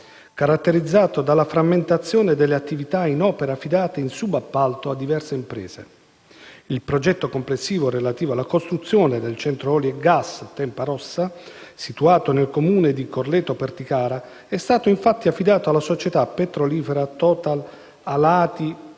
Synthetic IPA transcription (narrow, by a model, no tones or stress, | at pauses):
kaɾat̪ːeɾid̪zːaːt̪od̪alːafɾamːent̪at̪sːjoːned̪elːeat̪ːivit̪ainɔːpeɾafid̪aːt̪einsubapːalt̪oad̪ːivɛrseimpɾɛ̰ːz̥ḛ | ilpɾod͡ʒɛt̪ːokomplesːiːvoɾelat̪iːvoalːakost̪ɾut̪sːjoːned̪elt͡ʃɛnt̪ɾoɔljeɡast̪ɛmpaɾɔsːasit̪uaːt̪onelkomuːned̪ikorlɛt̪ːopert̪ikaːɾa | ɛst̪aːt̪oiɱfat̪ːiafːid̪aːt̪oalːasot͡ʃet̪apet̪ɾoliːfeɾat̪ɔːt̪al | alaːt̪i